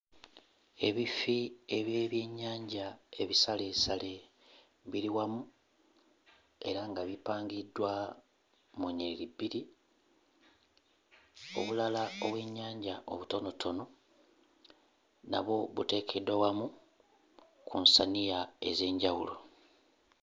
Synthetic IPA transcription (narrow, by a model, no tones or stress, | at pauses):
e̞βifie̞βje̞ːβje̞ːɲːaːɲɟae̞βisale̞sale̞ | βiliwamu | e̞ɾaŋɡaβipaːŋɡidːwa | muɲelibiɾi | o̞̰βulalaoβwe̞ɲːaːɲɟaʔo̞βuto̞no̞tʰo̞no̞ | na̰βo̞βute̞ːkʰedwawamu | kʰunsanijae̞̰ze̞ːɲɟawulo̞̰